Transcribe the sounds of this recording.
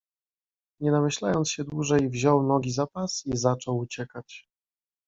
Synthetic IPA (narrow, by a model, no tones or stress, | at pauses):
ɲɛnamɘɕlajɔnt̪ɕɛd̪wuʐɛjvʑɔwnɔɡʲizapasizat͡ʂɔwut͡ɕɛkat͡ɕ